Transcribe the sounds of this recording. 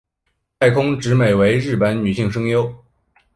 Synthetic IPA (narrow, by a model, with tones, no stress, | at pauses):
t̪ʰa˥˩ɪkʰʊ˥ŋʈ͡ʂɻ̩˧˥me˨˩ɪwe˧˥ɪɻɻ̩˥˩pə˧˥nny˨˩ɕi˥˩ŋʂɤ˥ŋjo˥ʊ